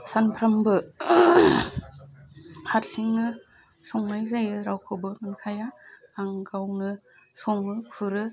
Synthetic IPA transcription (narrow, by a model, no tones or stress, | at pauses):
sanpʰɾambɯ | hat̚siŋnɯ | sɔŋnajzajɯɾawkʰɔbɯmɯnkʰaja | aŋɡawnɯ | sɔŋɯkʰɯɾɯ